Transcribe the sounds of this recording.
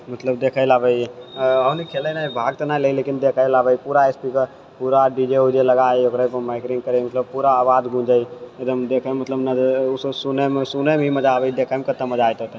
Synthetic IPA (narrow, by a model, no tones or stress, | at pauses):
mɐt̪ləb̚d̪eːkʰailaːbəiɐʋnikʰeːləinaibʱaːɡ̚t̪ɐnaleileːkɪnd̪eːkʰajlaːbəipuːɾaeːspikəɾ | puːɾaɖiːd͡ʒeud͡ʒelɐɡaːeokɾəpəmaːkʈɪ̃ŋɡkəɾemɐt̪ləb̚puːɾaːʋaːd̪ɡʱũːd͡ʒəied̪əmd̪eːkʰemɐt̪ləbnɐsunemsunemimɐd͡ʒaʋəid̪eːkʰaːimkɐt̪ːəmɐd͡ʒaːjt̪ɐt̪e